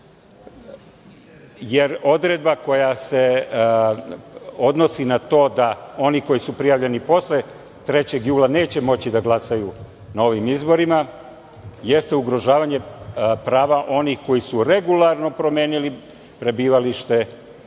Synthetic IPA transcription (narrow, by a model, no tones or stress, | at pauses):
jeɾo̞d̪ɾe̞d̪̚bako̞jase̞ | o̞d̪no̞sinat̪o̞ːd̪ao̞niko̞jisupɾijaːʋʎe̞nipo̞sle | t̪ɾe̞t͡ɕe̞ɡjuːlˠane̞ːt͡ɕe̞mo̞t͡ɕid̪aɡlˠasaju | nao̞ʋimizbo̞ɾima | je̞st̪e̞uɡɾo̞ʒaːʋaɲe̞pɾaːʋaʔo̞nixko̞jisuɾe̞ɡulˠaɾno̞pɾo̞mjeːnili | pɾe̞biːʋaliʃt̪e̞